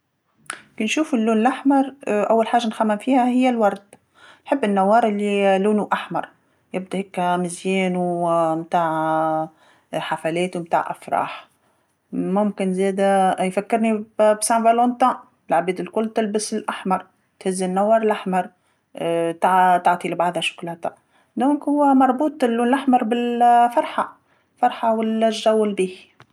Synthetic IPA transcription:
kinʃuːfɪlːuːnlʔaħmɑɾˤʔawːalħaːʒːanxæmːɪmfiːhæhɪjːælwɑɾˤd̪ | nħɪbːɪnːawːɑːɾˤɪlːiluːnuʔaħmɑ̰ɾˤ | jɪb̚d̪ahekːæmɪzjɛːnumt̪aːʕ | ħafælɛːt̪umt̪a̰ːʕʔa̰fɾˤɑ̰ːħ | mʊmkɪnzeːd̪ajfækːɪɾnibsæ̃vɑlont̪ɑ̃ː | ɪlʕabiːd̪ɪlkʊlːt̪ɪlbɪsɪlʔaħmɑɾˤ | t̪hɪzːɪnːawːɑɾˤlʔaħmɑɾˤ | t̪aʕt̪ɑʕt̪ˤilɪbaʕd̪hæʃʊ̥kʊlhæt̪a | d̪õːŋkhʊwːæmɑɾˤbuːt̪ˤɪlːuːnlʔaħmɑɾˤbɪlfɑɾˤħa | fɑɾˤħawalːæʒæwːɪlbiːh

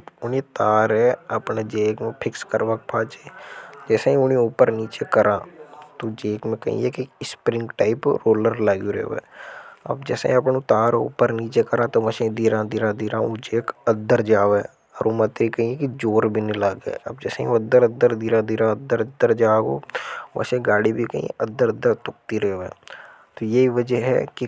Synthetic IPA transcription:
ʊniːt̪aːɾɛːəpɳeːd͡ʒeːkmẽːpʰɪkskəɾʋək̚pʰaːt͡ʃeːd͡ʒɛːsẽːĩʊnĩʊpəɾniːt͡ʃeːkəɾãːt̪oːd͡ʒeːkmẽkə̰ḭeːkispɾɪ̃ŋɡʈaːɪpɾoːləɾlaɡuːɾḛːʋɛ̰ːə̰bd͡ʒɛːsḛ̃ːĩəpɳũːt̪aːɾʊ̰pːəɾniːt͡ʃeːkəɾãːt̪oːʋəʃẽːd̪iːɾãːd̪iːɾãːd̪iːɾãːoːd͡ʒeːkəd̪ːəɾd͡ʒaːʋeː | ɔɾoːmat̪ɾikɐɦĩekid͡ʒoːɾbʱinɪlaːɡɛ̰ɐb̚d͡ʒɛːseḭ̃oəd̪əɾəd̪ːəɾd̪iɾãd̪iɾãəd̪ːəɾd̪ːəɾd͡ʒaːɦo̰ːʋɐ̰sẽɡaːɽibʱikɐ̰ɦḭ̃ʔəd̪ːəɾəd̪əɾt̪ʊk̚t̪iɾɛːʋḛ̃ː | t̪ojeɦiʋəd͡ʒəɦɛ̰ki

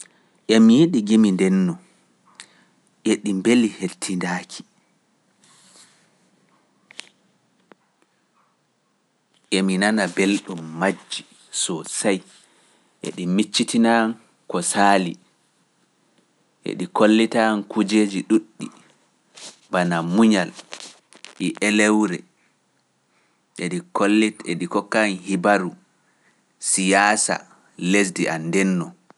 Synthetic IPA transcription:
ʔɛmijiɗiɡimindɛnːɔ | ʔeɗimbelihetʰːindaːkʰi̥ | ʔɛminanabelɗumːad͡ʒːi | sɔsaj | ʔḛɗimit͡ʃːitinan | kɔsaːli | ʔḛɗikolːitankʰud͡ʒeːd͡ʒiɗuɗːi | banamuɲal | ɗiʔɛlɛwɾɛ | ʔeɗikolːeɗikɔkːanhibaɾu | sijaːsa̰ | les̬diʔandɛnːɔ

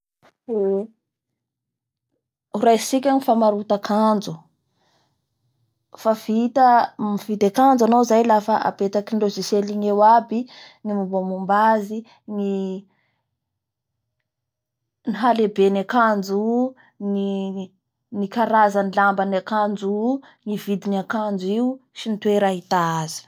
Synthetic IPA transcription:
e | uɾajsik̬ʲanifamaɾut̪akʰand͡zu | favit̪amivit̪akand͡zanowzajlafaʔa̰pet̪akinloziseliŋewabi | nimumbamumbazi | ni | niɦalebenakand͡zu | ni | nikaɾazanilambanakand͡zu | nivid̪inakand͡ziusinit̪weɾaɦit̪aaz̥i̥

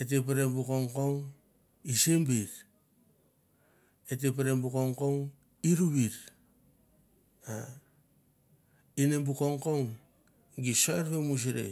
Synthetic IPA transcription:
et̬epeɾebukoŋkoŋ | isembiɾ | etep̬eɾembukoŋkoŋ | iɾuβiɾ | a | inembukoŋkoŋ | ɡisoeɾpemus̬iɾḛ

